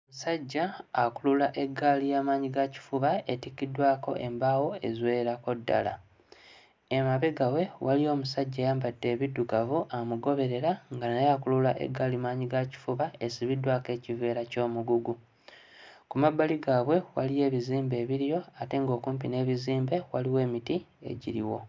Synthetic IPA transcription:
musaɟːaːkululaʔe̞ɡːalijaːmaːɲiɡaci̥fuβae̞tikːidwaːko̞̰ʔe̞mbaːwo̞e̞zwe̞ːɾako̞dːa̰la̰ | emaβeɡawe̞walio̞ːmusaɟːaːjaːmbadːe̞ːβidːukavuʔamuɡo̞βe̞ɾe̞ɾaŋɡanajakululaʔḛɡːalimaːɲiɡaci̥fuβaesiβidwaːke̞ːcive̞ːɾaco̞ːmuɡuɡu | kumabːaliɡaβwe̞wa̰lije̞ːβiziːmbe̞ːβiɾijo̞ate̞ŋɡo̞ːkuːmpine̞ːβiziːmbe̞waliwe̞ːmitie̞̰ɟiɾḭwo̞

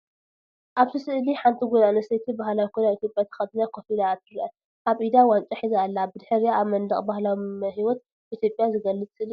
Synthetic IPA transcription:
ʔaβt̪ʰɨsɨʔliħant̪ʰiɡod̪anɐset̪ʰibahlawikʰonait̪ʰjopʼjat̪ʰɐ̥xɐt̪nakʰofilat̪ʰɨɾʔɐ | ʔaβʔid̪awant͡ʃʼɐħizalːabɨd̪ħɨɾijaaβmɐnd̪ɐχʼbahlawimɐɦiwɔt̪̚ | ʔit̪ʰjo̞pʼjazɨɡɐlːɨt͡sʼsɨli

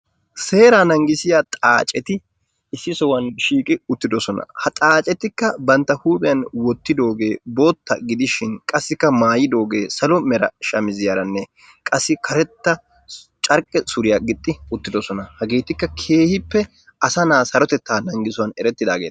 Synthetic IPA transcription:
se̞ːɾanɐŋɡɪsɪjaːt̪ʼaːt͡ʃʼɛt̪ɪ | ɪsːɪsɔwɐnʃiːkʼɪʊt̪ːɪd̪ɔsɔnɐ̰hɐt̪ʼaːt͡ʃʼɛt̪ːɪkːɐbɐnt̪ːɐhuːpʼɪjɐnwɔt̪ːɪd̪o̞ːɡe̞ːbo̞ːt̪ːɐ̰ɡɪd̪ɪʃɪnkʼɐsːɪkːɐmaːjɪd̪o̞ːɡe̞ːsɐlɔmɛɾɐ̰ʃɐmɪzɪjaːɾɐnːɛ | kʼɐsːɪkʰɐɾɛt̪ːɐ | t͡ʃʼɐɾkʼːɛsʊɾɪjaɡɪt̪ʼːɪʊt̪ːɪd̪ɔsɔnɐhɐɡeːt̪ɪkːɐkʰe̞ːhɪpːɛ | ɐsɐnaːsɐɾɔt̪ɛt̪ːaːnɐŋɡɪsʊwɐnɛɾɛt̪ːɪd̪aːɡḛːt̪ː

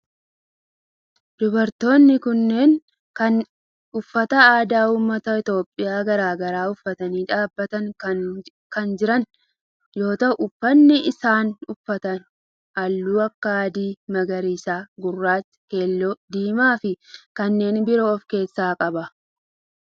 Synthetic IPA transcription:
d̪ʊbɐɾt̪o̞ːnːɪkʊnːe̞ːn | kɐn | ʊfːɐt̪ɐaːd̪aːuːmːɐt̪ɐɪt̪o̞ːpʼːɪjaːɡɐɾaːɡɐɾaːʊfːɐt̪ɐniːᶑaːbːɐt̪ɐn | kɐnd͡ʒɪɾɐn | jo̞ːt̪ɐʊʔʊfːɐnːɪʔɪsaːnʊfːɐt̪ɐn | ʔɐlːuːɐkːaaːd̪iːmɐɡɐɾiːsaːɡʊrːaːtː | ke̞ːlːɔd̪iːmaːfɪkɐnːe̞ːnbɪɾoːɔfke̞ːsːaːkʼɐbɐ

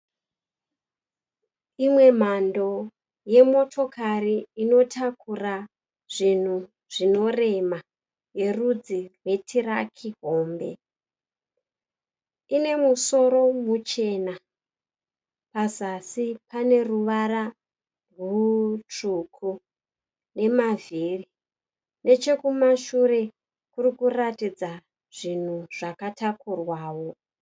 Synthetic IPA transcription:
imwe̞m̤ando̞ | je̞mo̞tʰo̞kʰariːno̞tʰakura | ʐ̥in̤u | ʐ̥ino̞re̞ma | je̞rud͡zirwe̞tʰirakʰiɦo̞ːmbe̞̰ | ine̞muso̞ɾo̞mut͡ʃe̞na | pazasipane̞ruʋara | rut͡ʂukʰu | ne̞maviri | ne̞t͡ʃe̞kumaʃuɾe̞ | kuɾikuratid͡za | ʐ̥in̤uʐ̥akatakurwaːwo̞

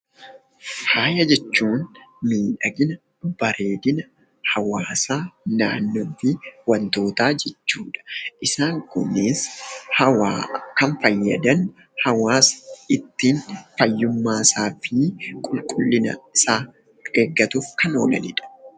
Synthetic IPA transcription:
haːjɐd͡ʒɛt͡ʃːuːnmiːᶑɐɡɪnɐ | b̥ɐɾe̞ːd̪ɪnɐ | hɐwaːsaːnaːnːoːfɪwɐnt̪o̞ːt̪aːd͡ʒɛt͡ʃːuːᶑɐ̥ʔɪsaːŋkʊ̰nɪshɐwaːkɐnfɐjːɐd̪ɐn | hɐwaːsɪt̪ːiːnfɐjːʊmːaːsaːfiːkʼʊlkʼʊlːɪnɐ̰ɪsaː | ɡ̥eːɡːɐt̪ʊfkɐno̰ːlɐ̰nɪ̰ᶑɐ̥

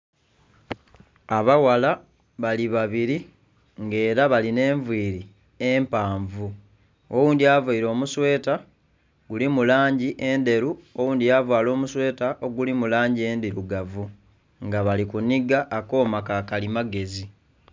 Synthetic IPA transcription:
aβawala | βaliβaβiɾi | ŋɡe̞ːɾaβaline̞ːɱvwiːɾi | empaːɱvu | owuːndiaːvaiɾo̞ːmuswe̞ːta | ɡulimulaːɲɟiʔe̞nde̞ɾuo̞wuːndiavwaːlo̞ːmuswe̞ːtaʔo̞ɡulimulaːɲɟie̞ːndiɾuɡavu | ŋɡaβalikuniɡaʔːko̞ːmakakalimaɡe̞zi

